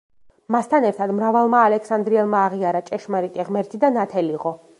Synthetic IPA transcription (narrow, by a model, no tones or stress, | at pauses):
mast̪ʰanɛɾt̪ʰad̪mɾavalˠmaːlɛkʰsand̪ɾiɛlˠmaːʁiaɾat͡ʃʼɛʃmaɾit̪ʼiʁmɛɾt̪ʰid̪anat̪ʰɛliʁɔ